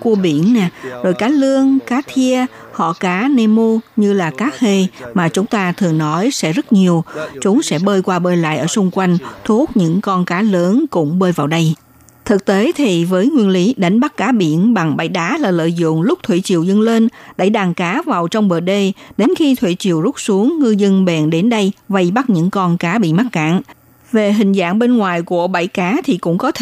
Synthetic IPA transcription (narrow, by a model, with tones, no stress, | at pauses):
ku˧əɓḭ˧˩ənːɛ˨˩zo˨˩jkaː˨˦lɨ˧əŋkaː˨˦t̪ʰi˧ə | hɔ̰˧˨kaː˨˦ne˧mo˧ɲɨ˧laː˨˩kaː˦˥k̚he˧maː˨˩t͡ɕʊ˨˦ŋ͡mt̪aː˧t̪ʰɨ˨˩əŋnɔ˨˦jsɛ̰˧˥zə˦˥t̚ɲi˨˩əwt͡ɕʊ˨˦ŋ͡msɛ̰˧˥ɓəː˧jkwaː˧ɓəː˧jla̰ː˧˨jʔəː˧˩sʊ˧ŋ͡mkwa˧jŋ̟t̪ʰu˦˥ət̚ɲɨ̰˧˥ŋkɔ˧nkaː˨˦ləː˨˦nkʊ̰˧˥ŋ͡mɓəː˧jvaː˨˩wɗə˧j | t̪ʰɨ˨˩k̚t̪e˨˦t̪ʰi˨˩vəː˨˦jŋwi˧ənli˨˦ɗa˨˦jŋ̟ɓa˦˥k̚kaː˨˦ɓḭ˧˩ənɓa˨˩ŋɓa̰˧˩jɗaː˨˦laː˨˩lə̰ː˧˨jzʊ̰˧˨ŋ͡mlʊ˦˥k͡p̚t̪ʰwḭ˧˨t͡ɕḭ˨əwzə˧nle˧nɗa̰˧˩jɗaː˨˩ŋkaː˨˦vaː˨˩wt͡ɕɔ˧wŋ͡mɓəː˨˩ɗe˧˩ɗe˨˦nxi˧t̪ʰwḭ˧˨t͡ɕḭ˨əwzʊ˦˥k͡p̚su˨˦əŋːɨ˧zə˧nɓɛ˨˩nɗe˨˦nɗə˧jva˧jɓa˦˥t̚ɲɨ̰˧˥ŋkɔ˧nkaː˨˦ɓḭ˧˨ma˦˥t̚ka̰ː˧˨n | ve˨˩ɦï˨˩ŋ̟za̰ː˧˥˨ŋɓe˧nŋwaː˨˩jku˧˩əɓa˧˩jkaː˨˦t̪ʰi˨˩kʊ̰˧˥ŋ͡mkɔ˨˦t̪ʰ